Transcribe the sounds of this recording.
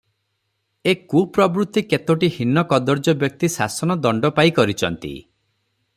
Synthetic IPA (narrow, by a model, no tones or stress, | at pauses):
ekupɾɔbɾut̪ːiket̪oʈihinɔkɔd̪ɔɾd͡ʒɔbjɔk̚t̪isa̰sɔnɔd̪ɔɳɖɔpaikɔɾit͡ʃʰɔnt̪ḭ